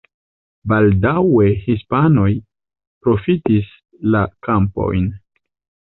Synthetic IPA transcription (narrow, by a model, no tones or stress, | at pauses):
baldawe̞hispano̞j | pɾo̞fitis | lakampo̞̰jn